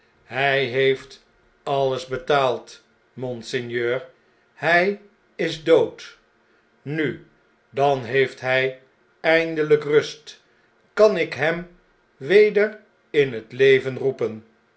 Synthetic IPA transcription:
ɦɛjɦejft | ɑləzbətaːlˠt | mɔnsɪnjøːɹ | hɛj | ɪzdowt | ny | dɑnɦejftɦɛj | ɛjndələkrɵst | kɑnɪkɦɛm | ʋejdəɹ | ɪnɦətlejvənrupən

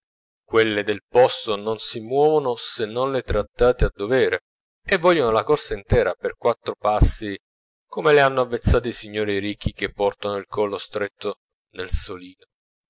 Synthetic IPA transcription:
kwelːed̪elpɔst̪ononsimwɔːvonosenːonlɪt̪ɾat̪ːaːt̪ead̪ːovɛːɾe | evːɔʎːonolakɔrsaint̪ɛːɾaperkwat̪ːɾopasːi | komeleanːoavːet̪sːaːt̪eisiɲːoːɾiɾikʰːik̟epːɔrt̪anoilkʰɔlːost̪ɾet̪ʰːo | nelsoliːno

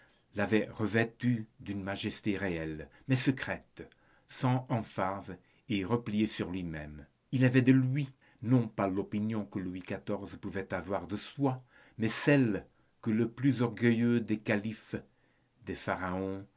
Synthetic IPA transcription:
lavɛʁəvɛt̪yd̪ynmaʒɛst̪eʁeɛlmɛsəkχɛt̪ | sɑ̃ɑ̃faz | eʁəplijesyʁlɥimɛ̰m | ilavɛd̪əlɥi | nɔ̃palopinjɔ̃kəluwikat̪ɔʁzpuvɛt̪avwaʁd̪əswa | mɛsɛl | kələplyzɔʁɡəjød̪ekalif | d̪efaʁaɔ̃

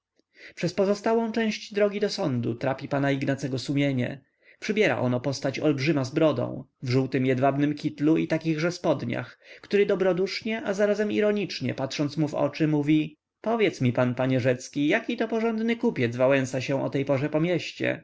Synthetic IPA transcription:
pʂɛspɔzɔst̪awɔ̃w̃t͡ʂɛ̃w̃ɕd͡ʑd̪ɾɔɡʲid̪ɔsɔnd̪ṵt̪ɾapʲipanaiɡnat̪sɛɡɔsumʲjeɲɛ̰ | pʂɘbʲjɛɾa̰ʔɔnɔpɔst̪at͡ɕɔlbʐɘmazbɾɔd̪ɔ̰̃w̃vʐuwt̪ɘmjɛd̪vabnɘmkʲit̪luḭt̪akʲiɣʐɛspɔd̪ɲa̰xkt̪uɾɘd̪ɔbɾɔd̪uʂɲɛʔazaɾazɛmḭɾɔɲit͡ʂɲɛ̰pat̪ʂɔnt̪smuvɔ̰t͡ʂɘmuvʲi | pɔvʲjɛt̪smʲipanpaɲɛʐɛt̪skʲijakʲit̪ɔpɔʐɔnd̪nɘkupʲjɛd̪zvawɛ̃ñsaɕɛ̃ʔɔ̰t̪ɛjpɔʐɛpɔmʲjeɕt͡ɕɛ̰

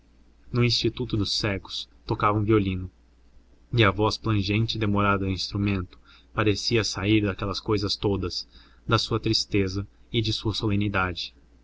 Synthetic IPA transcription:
nʊĩst͡ʃit̪ut̪ʊd̪ʊsɛɡʊ̥st̪okavɐ̃w̃violĩnʊ | ɪɐvɔsplɐ̃ʒẽnt͡ʃɪd̪emoɾad̪ɐd̪ĩst̪ɾumẽnt̪ʊ̥ | paɾesiɐsaiɾd̪ɐkɛlɐskojzɐst̪od̪ɐs | d̪ɐsuɐt̪ɾist̪ezɐɪd͡ʒɪsuɐsolẽnid̪ad͡ʒɪ̥

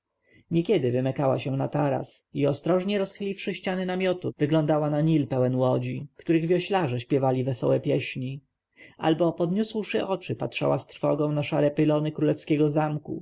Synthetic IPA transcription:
ɲɛkʲjɛd̪ɘvɘmɛkawa̰ɕɛ̃nat̪aɾa̰siɔst̪ɾɔʐɲɛɾɔsxɘlʲifʂɘɕt͡ɕanɘnamʲjɔt̪uvɘɡlɔnd̪awanaɲilpɛwɛnwɔd͡ʑikt̪uɾɘɣvʲjɔɕlaʐɛɕpʲjɛvalʲivɛsɔ̰wɛpʲjɛɕɲi | ʔa̰lbɔpɔd̪ɲuswʂɘʔɔt͡ʂɘpatʂa̰wast̪ɾfɔ̰ɡɔ̃w̃naʂaɾɛpɘlɔnɘkɾulɛfskʲɛɡɔzamkṵ

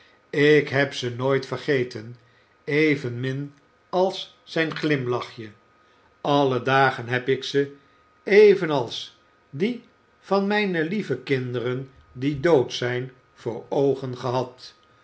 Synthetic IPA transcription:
ɪkɦɛpsənoːjtfəɹχejtən | ejvənmɪn | ɑlˠsː | ɛjnχlɪmlɑχjə | ɑlədaːχənɦɛpɪksə | ejvənɑlˠs | di | v̥ɑnmɛjnəlivəkɪndərən | didowtsɛjn | v̥ʊːɹowχənχəɦɑt

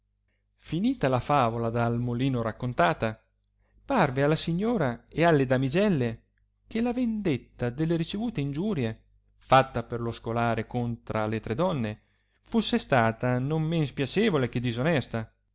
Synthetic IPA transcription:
finiːt̪alafaːvolad̪almoliːnoɾakːont̪aːt̪a | parvealːasiɲːoːɾaealːed̪amid͡ʒɛlːe | k̟elavend̪et̪ːad̪elːeɾit͡ʃevuːt̪eind͡ʒuːɾje | fat̪ːaperloskolaːɾekont̪ɾalet̪ɾed̪ɔnːe | fusːest̪aːt̪anommenspjat͡ʃɛːvolek̟ed̪ːizonɛst̪a

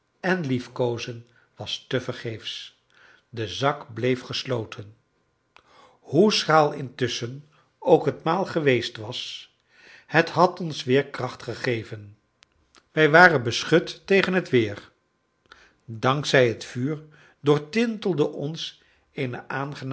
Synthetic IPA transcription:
ɛnlifkowzən | ʋɑstəvəɹχejfs | dəzɑkblejfχəslowtʰən | husχaːlˠɪntʏsən | owkɦətmaːlˠχəʋejstʋɑs | hətɦɑtɔnsʋɪːɹkrɑχtχəχejvən | ʋɛjʋaːrənbəsχɵtːejχənɦətʋɪːɹ | dɑŋksɛjɦətfyːɹ | dʊːɹtɪntəlˠdəʔɔns | ejnəʔaːnχən

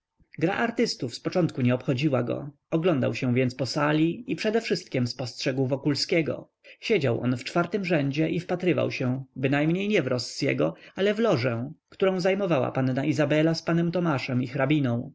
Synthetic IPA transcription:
ɡɾa̰ʔaɾt̪ɘst̪ufspɔt͡ʂɔnt̪kuɲɛɔpxɔd͡ʑiwaɡɔ̰ | ɔɡlɔnd̪a̰wɕɛ̃vʲjɛnt̪spɔsalʲiipʂɛd̪ɛfʂɘst̪̚kʲɛmspɔstʂɛɡwvɔkulskʲɛɡɔ̰ | ɕed͡ʑawʔɔ̰nft͡ʂfaɾt̪ɘmʐɛɲd͡ʑɛʔifpat̪ɾɘva̰wɕɛbɘnajmɲejɲɛvɾɔsːjɛ̰ɡɔalɛvlɔʐɛkt̪uɾɔ̃w̃zajmɔvawa̰panːaizabɛlaspanɛmt̪ɔmaʂɛmixɾabʲinɔ̃w̃

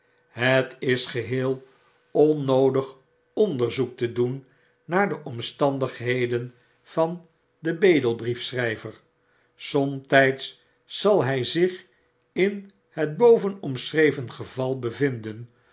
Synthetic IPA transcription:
ɦətɪsχəɦɪːlˠ | ɔnːowdəχ | ɔndəɹzuk̚tədunː | aːɹdəʔɔmstɑndəχɦejdən | v̥ɑn | dəbejdəlˠbrifsrɛjvəɹ | sɔmtɛjtsː | ɑlˠɦɛjzɪχ | ɪn | ɦəd̚bowvənɔmsrejvənχəvɑlˠbəvɪndən

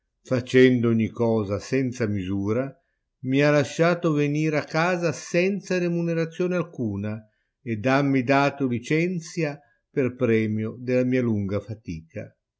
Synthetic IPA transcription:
fat͡ʃɛnd̪ooɲːikɔːzasɛnt̪samizuːɾa | mialaʃːaːt̪oveniːɾakːaːzasɛnt̪saɾemuneɾat̪sːjoːnealkuːna | ed̪amːid̪aːt̪olit͡ʃɛnt̪sja | perpɾɛːmjod̪ɪlamiːaluŋɡafat̪iːka̰

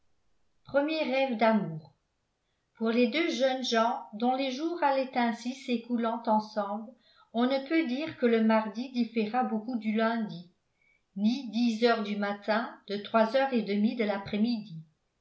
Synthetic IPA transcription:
pχəmjeʁɛvd̪amuːʁ | puʁled̪øʒənʒɑ̃d̪ɔ̃leʒuːʁalɛt̪ɛ̃sisekulɑ̃t̪ɑ̃sɑ̃bl | ɔ̃nəpød̪iːʁkələmaʁd̪id̪ifeʁabokud̪ylɛ̃d̪i | nid̪izœʁd̪ymat̪ɛ̃d̪̥ət̪χwazœʁed̪əmid̪əlapχɛmid̪i

